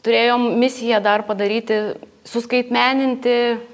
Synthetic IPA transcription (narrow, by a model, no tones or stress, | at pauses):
t̪ʊɾʲeːjoːmmʲɪsʲɪjɛd̪ɐrpɐd̪ɐɾʲiːt̪ʲɪ | sʊskɐɪt̪ʲmʲæːnʲɪnʲt̪ʲɪ